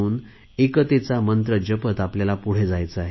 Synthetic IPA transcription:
uːn | ekət̪et͡samənt̪ɾəd͡ʑəpət̪apljalapuɽ̤ed͡zajt͡səaɦe

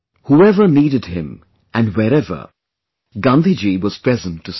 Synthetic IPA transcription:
huɛvə˞niːɾɨd̚hɪ̃m | ʔɨ̃nwɛɾɛvə̰˞ | ɡʌ̃nd̪id͡ʒiwʌz̥pɹ̥ɛzə̃ntʰːɨs

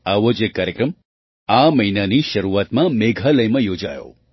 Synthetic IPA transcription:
aʋod͡ʒekːaːɾjəkɾəm | aməɦinaniʃəɾuʋat̪mãmeɡʱaləjmãjod͡ʒajo̰

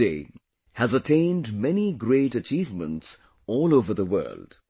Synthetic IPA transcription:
ḛɪ | hæzətʰẽɪ̃ndmɛniɡɾeɪʈət͡ʃiːvmə̃nts | ɔːloʊvə˞ðəwɜ̰˞ld̥

